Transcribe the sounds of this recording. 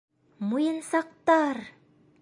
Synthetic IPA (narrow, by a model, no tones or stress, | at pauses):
mujɤ̆nsɑq̚t̪ɑɾ